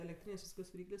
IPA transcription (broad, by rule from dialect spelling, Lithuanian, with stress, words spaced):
ɛlʲɛkˈtʲrʲiːnʲeːsʲ ʋʲɪˈsoːkʲoːs ʋʲɪˈrʲiːklʲeːs